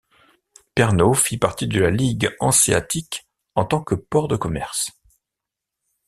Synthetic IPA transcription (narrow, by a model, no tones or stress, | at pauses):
pɛʁnofipaʁt̪id̪əlaliɡɑ̰̃sia̰t̪ik | ɑ̃t̪ɑ̃kəpɔʁd̪əkɔmɛʁs